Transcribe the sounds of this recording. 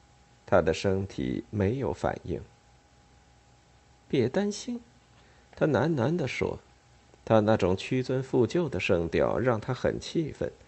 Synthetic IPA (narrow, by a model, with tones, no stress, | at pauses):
t̪ʰa˥d̪ə˨ʂə˥ŋt̪ʰḭ˨˩me˧˥ɪjo˧˥ʊfa̰˨˩nḭ˥˩ŋ | pjɛ˥˩t̪a˥nɕi˥n | t̪ʰa˥na˧˥nna˧˥nd̪ə˧˨ʂwɔ̰˥ | t̪ʰa˥na˥˩ʈ͡ʂʊ˨˩ŋt͡ɕʰy˥t͡swə˥nfu˥˧t͡ɕjo˥˩ʊd̪ə˩ʂɤ˥˩ŋt̪jɑ̰˨˩ʊɻɑ˥˩ŋt̪ʰa˥xə̰˨˩nt͡ɕʰi˥˧fə̰˥˩n